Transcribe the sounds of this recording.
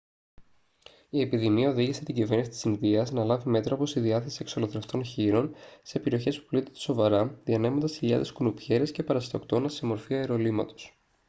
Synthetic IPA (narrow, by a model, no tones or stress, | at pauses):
ie̞piðimiɐo̞ðiʝise̞t̪iɟive̞ɾnisi̥t̪isinðiɐznɐlɐvime̞t̪ɾoɐpost̪iðiɐθe̞sie̞ksoloðɾeft̪o̞nçiɾo̞nse̞peɾio̞çe̞spu̥plit̪ed̪eso̞vɐɾɐðiɐne̞mond̪ɐsçiʎɐ̰ðeskunupçe̞ɾesce̞pɐɾɐst̪okt̪o̞nɐse̞mo̞ɾfiɐeɾo̞limɐ̰t̪o̞̥s